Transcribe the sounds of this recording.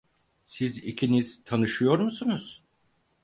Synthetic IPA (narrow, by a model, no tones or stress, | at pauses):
sizḭcʰiniz̥t̪ʰanɯʃɯjo̞ɾmusunuz̥